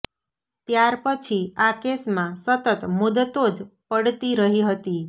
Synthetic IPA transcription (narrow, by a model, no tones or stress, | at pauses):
t̪jaɾpət͡ʃʰiakesmãsət̪ət̪mud̪ət̪od͡ʒpəɽt̪iɾəɦiɦət̪i